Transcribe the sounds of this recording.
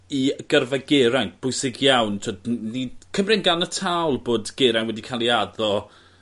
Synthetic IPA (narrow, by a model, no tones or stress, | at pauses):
iəɡ̥ərvaɡeɾajnb̥ʊjsɪɡjawntʰoːdnikʰəmrɪnɡanətʰawlˠboːdɡ̥eɾajnwɛdikʰalˠiadɔ